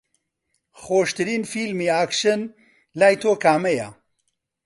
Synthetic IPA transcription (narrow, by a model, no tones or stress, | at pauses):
χoːʃt̪ɨɾiːnfiːlmiːaːkʃɨn | laːjt̪ʰoːkaːmɛja̰